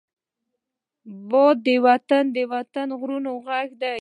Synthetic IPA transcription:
bɔd̪ːəwat̪and̪əwat̪anɣɾunoɣaɡd̪a

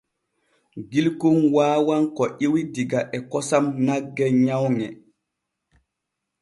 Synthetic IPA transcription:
ɡilkunwaːwankɔʔiwidiɡaʔɛkɔsamnaɡːɛɲawŋɛ

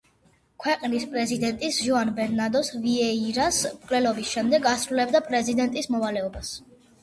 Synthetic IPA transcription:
kʰwɛqʼnispʼɾɛzid̪ɛnt̪ʼisʒuanbɛɾnad̪ɔsviɛiɾasmkʼlɛlɔbisʃɛmd̪ɛɡasɾulɛbd̪apʼɾɛzid̪ɛnt̪ʼismɔvalɛɔbas

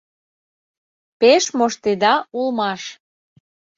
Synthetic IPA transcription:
peʃmoʃt̪ed̪ɑulmɑʃ

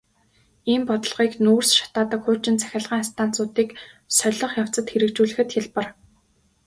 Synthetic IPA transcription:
iːmpɔt̪ɞ̆ɮʁiːknuːrsʃḁt̪aːt̪ə̆kxʊːt͡ɕɪ̆nt͡sʰæ̥xʲăɮʁiːŋst̪ʰan̥t͡sʊːt̪iːk | sœɮɞ̆χjaw̥t͡sə̆t̪xeɾɘ̆kt͡ɕuːɮɘ̆xɘ̆t̪xʲaɮpə̆r

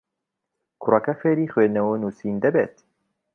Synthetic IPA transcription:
kʰʊrɐkɐfeːɾiːxweːnɐwunuːsiːnd̪ɐbeːt̪

